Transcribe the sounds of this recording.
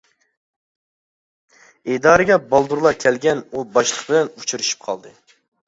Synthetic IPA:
ed̪ɑːɾɨɡʲɛbɑlˠd̪uɾlˠɑkʲʰɛlɡʲɛnubɑʃlˠəqbɪlɛnut͡ʃʰuɾyʃy̥p̚qʰɑ̰lˠd̪ɨ

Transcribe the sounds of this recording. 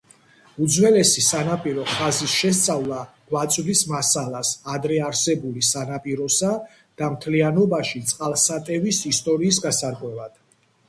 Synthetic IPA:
ud̪zwɛlɛsisanapʼiɾɔχazisʃɛs̬t̪sʼavlˠa | ɡ̥wat̪sʼd̪ismasalasad̪ɾɛaɾsɛbulisanapʼiɾɔsa | d̪̥amt̪ʰlianɔbaʃit̪sʼqʼalˠsat̪ʼɛvisist̪ʼɔɾiːs̬ɡasaɾkʼwɛvad̪̥

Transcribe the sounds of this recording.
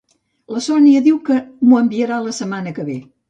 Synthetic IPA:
ləsɔniəðiwkəmuəmbiəɾaləsəmanəkəβe

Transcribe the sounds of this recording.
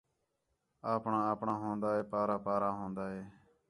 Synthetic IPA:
aːpɳãːaːpɳãːɦõːnd̪aːɦeːpaːɾaːpaːɾãːɦõːnd̪aːɦeː

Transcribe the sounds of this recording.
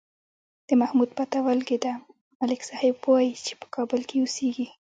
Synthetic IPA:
d̪̥əmahmud̪̚pat̪awalɡed̪a | malɪksɑhɪb̚powajit͡ʃe̥pə̥kʰɑbəlkeuseɡi

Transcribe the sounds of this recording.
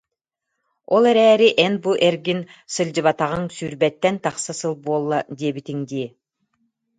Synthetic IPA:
olˠeɾɛːɾiʔenbuʔeɾɡinsɯlʲd͡ʑɯβat̪aʁɯŋsyɾbɛt̪ːɛnt̪ɑχsasɯlˠbuɔlˠːad̪ʲiːbit̪iŋd̪iː

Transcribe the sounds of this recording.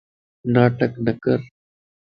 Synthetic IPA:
naːʈəknɐkəɾ

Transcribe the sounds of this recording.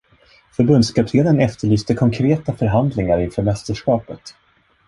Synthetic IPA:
fœɾbɵnd̪skʰapt̪ʰeːlənɛft̪əɭyːst̪əkʰɔŋkʰɾeːt̪afœɾɦand̪lɪŋaɾɪnfœːɾmɛst̪əʂkɑːpət̪

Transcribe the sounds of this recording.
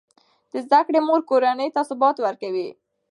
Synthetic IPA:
d̪̥əzd̪akɽemoɾkoɾanəjt̪asʊbɑt̪wəɾkawi

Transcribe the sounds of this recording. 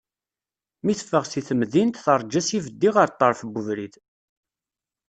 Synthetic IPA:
miθə̥fːəʁsiθəmðint̪θəɾˤd͡ʒæsivəd̪ːiʁəɾt̪ˤːəɾˤfbːʊvɾiθ

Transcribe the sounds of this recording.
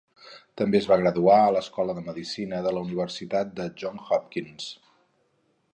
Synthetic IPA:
t̪əmbezβaɣ̞ɾəðuaələskɔləðəməðisinəðələuniβ̞ərsit̪at̪̚d̪əʒɔŋxɔp̚kins

